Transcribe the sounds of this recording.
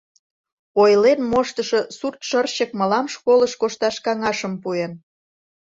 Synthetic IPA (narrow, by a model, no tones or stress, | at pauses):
ojlenmoʃt̪əʃosurt̪ʃərt͡ɕək̚məlɑmʃkoləʃkoʃt̪ɑʃkɑŋɑʃəmpuen